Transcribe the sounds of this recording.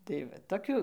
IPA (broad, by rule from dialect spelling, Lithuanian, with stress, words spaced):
tɐɪ ˈʋɐ toːˈkʲuː